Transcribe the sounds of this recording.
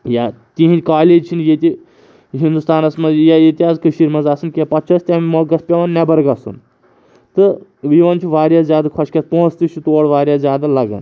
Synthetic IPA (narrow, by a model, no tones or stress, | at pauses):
ja | t̪ĩɦikaːleːd͡ʒt͡ʃʰinjet̪i | ɦind̪ust̪aːnɐsmɐzjajet̪ʲiaːzkɨʃiɾmɐzasɨnkʲijapɐtt͡ʃʰɐst̪ʲãmmoɡɐspʲeʋɐnnabɐɾɡɐsṵn | t̪ɨʋiʋɐnt͡ʃʰiʋaːɾjazʲjaːd̪ɐkʰɐʃkʲaspõɦːt͡st̪it͡ʃʰut̪oːɽʋaːɾʲjaːzʲjaːd̪alɐɡɐ̰n